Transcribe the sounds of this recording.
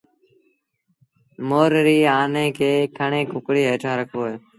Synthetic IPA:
moːɾɾiːaːnẽːkʰeːkʰəɳẽːkʊkɽiːɦeːʈʰãːɾəkʰʋoːeː

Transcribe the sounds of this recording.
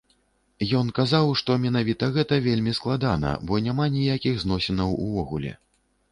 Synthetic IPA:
jɔnkazawʂt̪ɔmʲɛnavʲit̪ɐɣɛt̪ɐvʲelʲmʲisklˠad̪an̪ɐ̰bɔnʲamanʲijakʲiɣznɔsʲɛnɐwṵvɔɣulʲɛ̰

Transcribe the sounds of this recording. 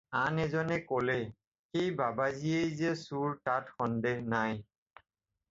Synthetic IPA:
anɛzɔnɛkolɛ | xejbabaziejzɛsuɹtatxɔndɛhnaj

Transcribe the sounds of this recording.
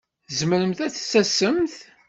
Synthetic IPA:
zməɾəmθæθsːæsəmθ

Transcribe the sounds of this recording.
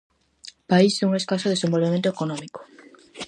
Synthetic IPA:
paiseuŋeskasoðesẽmbolβemẽnt̪oekonɔ̃miko̥

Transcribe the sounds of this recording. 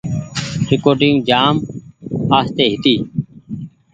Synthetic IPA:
ɾɪkoːʈɪ̃ŋũd͡ʒaːmhaːst̪eːɦɪt̪iː

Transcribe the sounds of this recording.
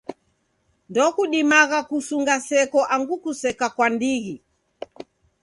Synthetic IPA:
ndɔkuɗimaɣakusuŋɡasɛkɔʔaŋɡukusɛkakwandiɣi

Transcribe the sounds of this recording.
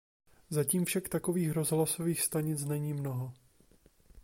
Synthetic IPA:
zaciːmfʃakt̪ako̞viːxɾo̞zɦlaso̞viːxst̪aɲɪt͡snɛɲiːmno̞ɦo

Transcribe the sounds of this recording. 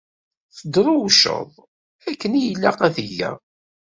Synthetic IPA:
θəd̪ɾˤʊwʃə̰ðˤ | ækːənijəlːaqæθiʝæ̰

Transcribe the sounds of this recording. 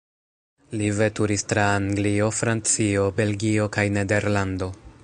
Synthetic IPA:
live̞tuɾistɾaːŋɡlio̞fɾant͡sio̞be̞lɡio̞kajne̞de̞ɾlando̞

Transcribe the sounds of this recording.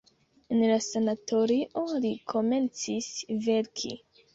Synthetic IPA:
enlasanatʰo̞ɾiʔolikʰo̞me̞nt͡sisve̞ɾkʰḭ

